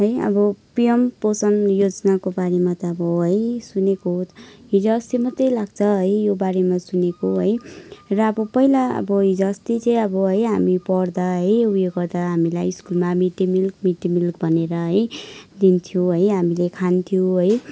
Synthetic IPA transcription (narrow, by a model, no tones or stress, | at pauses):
ɦʌjʌ̰bʌpijʌmposʌnjod͡znakobaɾemat̪ʌːbʌɦʌjsunekot̪ɦid͡zoːst̪imʌt̪ːʌjlaɡt͡sʰʌɦʌjjobaɾemasunekoɦʌjrʌːbʌpʌɦilaʌ̰bʌɦid͡zːst̪it͡sʌ̃j̃ʌbʌɦʌjɦamipʌrd̪aɦʌjujeɡʌrd̪aɦamilajiskulmamiʈimilk̚miʈimilkbʱʌneɾʌɦʌjd̪int̪ʰjoɦʌjɦamilekʰant̪ʰijoɦʌj